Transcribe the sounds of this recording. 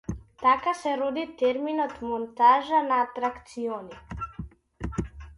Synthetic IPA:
t̪akasɛɾɔd̪it̪ɛɾminɔt̪mɔnt̪aʒanaːt̪ɾakt̪siɔni

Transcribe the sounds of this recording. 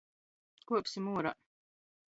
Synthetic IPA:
kuɔpsimuɔɾa̰

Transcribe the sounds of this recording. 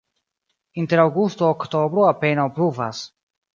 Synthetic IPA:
int̪eɾawɡust̪oːkt̪obɾoapenawpɾuva̰s

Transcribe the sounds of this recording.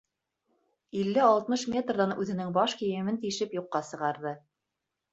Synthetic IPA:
ilːɘɑlˠt̪mɤʃmʲet̪rðɑnʉðɘ̆nɘŋbɑʃkĭjɘ̆mɘnt̪iʃɘpjuqːɑsɤ̆ʁɑɾðɤ

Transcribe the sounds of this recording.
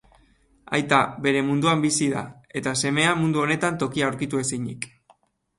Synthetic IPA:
a̰jt̪abe̞ɾe̞mund̪uambisiða̰e̞t̪ase̞me̞amund̪uo̞ne̞t̪ant̪o̞kiauɾkit̪ue̞siɲḭk

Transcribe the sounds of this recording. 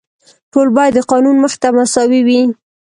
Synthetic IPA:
ʈolbɑjad̪ːəqɑnunməxt̪amasɑwiwi

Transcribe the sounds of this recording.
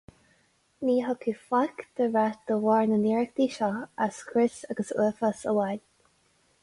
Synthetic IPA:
niːɦɔkʰiːflakd̪̥əɹat̚d̪̥əwɑːɹnəniːɹək̚d̪iːʃɔaskʰɾɪsaɡəsəːfasə̰wal

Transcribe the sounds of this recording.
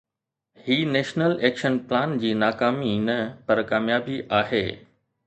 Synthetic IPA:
hiːneːʃnəleːkʃənplãːnd͡ʑiːnaːkaːminɐpɐɾkaːmjaːbiʔaːɦeː

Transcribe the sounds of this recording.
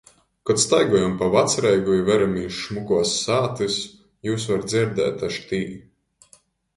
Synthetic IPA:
kɔt̪st̪ajɡuɔjampavat̪sɾɛjɡuivɛɾamiːʃmukuɔsːaːt̪ɨs | juːsvaɾd̪ziɾd̪ɛ̰ːt̪aʃt̪iː

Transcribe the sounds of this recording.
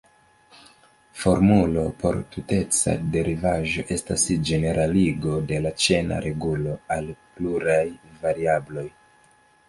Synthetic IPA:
fo̞ɾmulo̞po̞̰ɾtute̞t͡sa̰de̞ɾʔivaʒo̞ʔe̞stasd͡ʒe̞ne̞ɾʔaliɡo̞de̞lat͡ʃe̞na̰ɾʔe̞ɡulo̞alpluɾajvaɾiablo̞j

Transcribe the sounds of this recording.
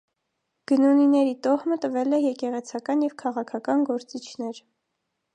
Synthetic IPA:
ɡ̥ənuninɛɾit̪ɔʁmət̪əvɛlɛjɛkɛʁɛt͡sʰɑkɑnjɛvkʰɑʁɑkʰɑkɑnɡɔɾt͡sit͡ʃʰn̪ɛɾ

